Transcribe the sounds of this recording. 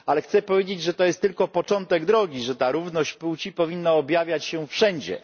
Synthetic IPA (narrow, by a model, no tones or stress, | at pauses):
alɛxt̪sɛpɔvʲjed͡ʑed͡ʑʐɛt̪ɔjɛst̪ːɘlkɔpɔt͡ʂɔnt̪ɛɡd̪ɾɔɡʲiʐɛt̪aɾuvnɔɕt͡ɕput͡ɕipɔvʲinːaɔbʲjavʲjat͡ɕɕɛfʂɛɲd͡ʑɛ̰